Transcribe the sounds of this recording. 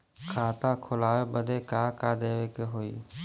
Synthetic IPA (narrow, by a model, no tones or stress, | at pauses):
kʰaːt̪aːkʰʊlaːebəd̪ʱeːkaːkaːd̪eːʋekeɦoːḭː